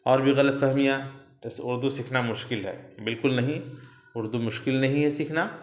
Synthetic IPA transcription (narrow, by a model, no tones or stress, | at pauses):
ɔːɾbʱiɣɐlət̪fɐɦmija | ɪsʊɾd̪usɪkʰnamʊʃkɪlɦɛ̰ːbɪlkʊlnɐɦĩ | ʊɾd̪umʊʃkɪlnɐɦĩɦɛsikʰna